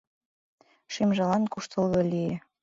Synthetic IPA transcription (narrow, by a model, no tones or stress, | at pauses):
ʃimʒɤlɑnkuʃt̪ɤ̆lβɤ̆lʲije